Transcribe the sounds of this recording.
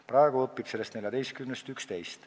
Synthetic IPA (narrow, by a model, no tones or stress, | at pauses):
prɑeɡ̥uɤpːib̥se̞lːe̞st̪neljɑd̪e̞jst̪kymnest̪ykst̪e̞jst̪